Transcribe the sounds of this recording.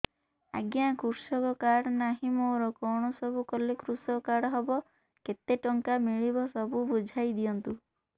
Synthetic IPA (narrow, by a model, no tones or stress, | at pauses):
a̰ɡjakuɾsɔkɔkaɽɔnaɦimɔwɾɔkɔwɳ̃ɔsɔbʱukɔlekɾusɔɔkaɽɔɦɔbɔ | ket̪eʈɔŋkamiɭibɔsɔbubud͡ʒʱajd̪iɔnt̪u